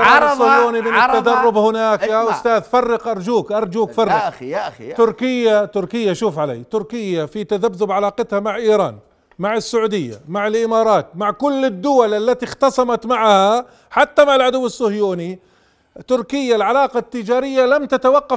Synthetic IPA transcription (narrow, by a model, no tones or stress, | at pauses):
ɾaɾsːʊhjuːnimɪnɪt̪ːad̪ɑrˤːʊbhɪnaːkjaːʔʊst̪aːðfɑrˤːɪqʔɑɾˤd͡ʒuːkʔɑɾˤd͡ʒuːkfɑrˤːɪqt̪ʊɾkɪjːat̪ʊɾkɪjːaʃuːfʕala̰ːjt̪ʊɾkɪjːafit̪aðabːʊbʕalɑːqɪt̪hamaʕʔiːɾɑ̰ːn | maʕɪsːaʕuːd̪ɪjːa̰maʕɪlʔɪmɑːɾˤɑːt̪̚maʕkʊlːɪd̪ːʊwalʔalːat̪ixt̪ɑsˤɑmɑt̪maʕha | ħat̪ːamaʕɪlʕʊd̪ʊwːɪsːʊhjuːni | t̪ʊɾkɪjːalʕalɑːqɑt̪ːɪd͡ʒaːɾɪjːalamt̪at̪awɑqːɑ